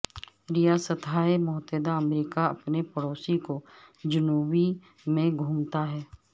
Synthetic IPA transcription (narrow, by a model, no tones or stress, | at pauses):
ɾɪjaːsət̪ʰaːemʊɦt̪eːd̪aɐmɾiːkaɐpnepəɽoːsikod͡ʒʊnuːbi | mẽɡʱuːmt̪aɦɛː